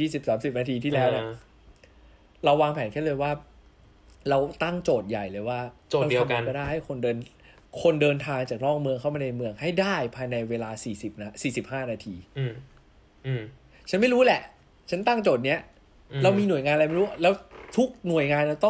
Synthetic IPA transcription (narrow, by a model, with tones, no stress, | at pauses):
jiː˥˩si˨˩p̚saː˩˦msi˨˩p̚naː˧t̪ʰiː˧t̪ʰiː˥˩lɛː˦˥wni˧˩ | ɾa˧wːaː˧ŋpʰɛː˩˦nkʰɛ˥˩lɤː˧jwaː˥˩ | ɾa˧wt̪a˥˩ŋt͡ɕoː˨˩t̪̚ja˨˩jlɤː˧jwaː˥˩t͡ɕoː˨˩˧i˧ka˥˩da˥˩jha˥˩jkʰo˧ndɤː˧n | kʰo˧ndɤː˧nt̪ʰaː˧ŋt͡ɕaː˨˩k̚nɔː˥˩k̚mɯ˧əŋʰa˥˩wmaː˧na˧jmɯ˧əŋha˥˩jdaː˥˩jpʰaː˧jna˧jweː˧laː˧siː˨˩si˨˩p̚na˧siː˨˩si˨˩p̚haː˥˩naː˧t̪ʰiː˧˩ | t͡ɕʰa˦˥nma˥˩jɾu˦˥lɛ˨˩ʔ | t͡ɕʰa˦˥nt̪a˥˩ŋt͡ɕoː˨˩t̪̚ni˦˥ɐ | la˧wmiː˧nu˨˩əjŋaː˧nla˧jma˥˩ɾuː˦˥a˥˩lɛː˦˥wt̪ʰu˦˥k̚nu˨˩əjŋaː˧nɾa˧wt̪ɔ˥˩ŋ